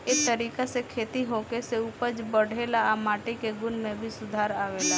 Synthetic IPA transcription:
eːk̚t̪əɾiːkasekʰeːt̪iɦoːkeseʊpəd͡ʒbəɽ̤eːlamaːʈikeɡʊnmẽbʱisʊd̪ʱaːɾaːʋeːlaː

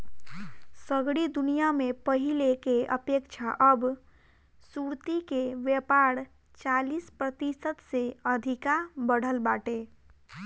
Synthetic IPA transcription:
səɡɽid̪unijamepəɦilekeəpekt͡ʃʰaʔəb | suɾt̪ikeʋjəpaɾ | t͡ʃalispɾət̪isət̪seəd̪ʱikabəɽ̤əlbaʈe

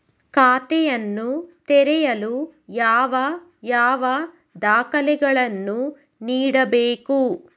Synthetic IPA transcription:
kaːt̪ɛjɐnːut̪ɛɾɛjɐlujaːʋɐ | jaːʋɐ | d̪aːkɐlɛɡɐɭɐnːu | niːɽɐbeːku

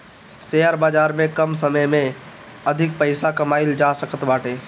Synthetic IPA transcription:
seːəɾbaːd͡ʒaːɾmẽkəmsəməjmẽ | ɐd̪ʱɪk̚pəɪsakɐmaːɪld͡ʒaːsəkʰət̪baːʈeː

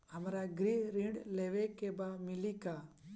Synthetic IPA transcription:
əmɾaɡɾiɾĩɖlɛʋɛkɛbamɪlika

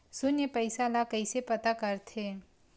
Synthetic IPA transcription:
sʊnjəpɐɪsalakɐisepɐt̪akɐɾt̪ʰeː

